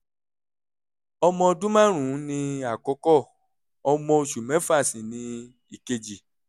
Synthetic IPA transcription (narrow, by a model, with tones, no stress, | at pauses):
ɔ˧mɔ̃˧ɔ˧dũ˦mã˦˨ɾ̃ũ˨˦nĩ˧a˨kɔ˨˧˦kɔ˦˨ | ɔ˧mɔ̃˧o˧ʃu˨mɛ̃˨˦fa˦˨sĩ˨nĩ˧ | i˨ke˧d͡ʒi˨